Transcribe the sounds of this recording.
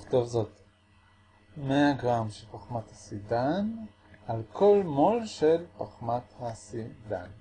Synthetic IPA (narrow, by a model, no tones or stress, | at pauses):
χt̪ovzo̞t̪ | meaɡʁamʃelpaχmat̪hasidan | ʔalkʰo̞lmolʃelpaχmat̪hasid̪an